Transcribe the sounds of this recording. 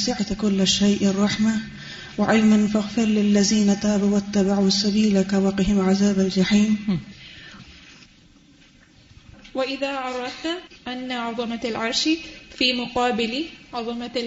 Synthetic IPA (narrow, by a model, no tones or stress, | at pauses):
sɪʕt̪kʊlːaʃːajʔɑrˤːɑħma | wɪʕajmanfaɣfɪɾlɪlːaziːnat̪aːbawat̪ːabaʕuasːabiːlakawɑqɪhɪmʕazaːbald͡ʒaħiːn | waʔɪðaʕɑɾˤɑfnaʔanːaʕɑðˤɑmalʕɑɾˤʃfiːmʊqɑːbɪlʕɑðˤɑma